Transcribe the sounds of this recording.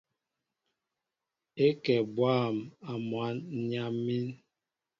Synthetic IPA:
e˦kɛ˨bwaː˦˨ma˨mwa˦n̩˦ɲa˦mːi˦n

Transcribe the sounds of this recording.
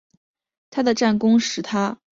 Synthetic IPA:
t̪ʰa˥d̪ə˨ʈ͡ʂa˥˩nkʊ˥ŋʂɻ̩˧˥t̪ʰa˥

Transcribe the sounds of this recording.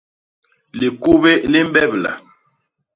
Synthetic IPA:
li˨ko˦be˦li˦m˦bɛ˦˨bla̰˨

